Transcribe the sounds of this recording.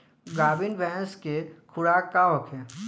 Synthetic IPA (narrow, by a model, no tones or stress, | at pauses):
ɡaːbɪnʋɛ̃nskekʰʊɽaːkːaːokʰɦɛ̃ː